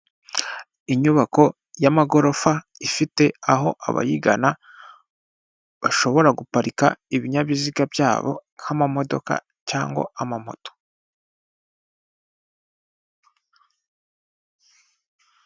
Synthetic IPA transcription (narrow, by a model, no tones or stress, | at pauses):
iɲuβako̞ | jamaɡo̞ɾo̞fa | ifite̞aɦo̞ʔa̰βa̰jiɡa̰na | βaʃo̞βo̞ɾaɡupaɾika̰iβiɲaβiziɡabjaːβo̞̰hamamo̞do̞̰ka̰ | caːŋɡwo̰amamoto̥